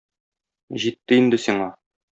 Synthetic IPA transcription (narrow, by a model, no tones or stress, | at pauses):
ʑit̪ːɘind̪ɘsiɴɑ